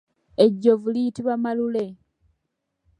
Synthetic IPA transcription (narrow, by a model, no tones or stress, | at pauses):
eɟːovuliitiβamalule̞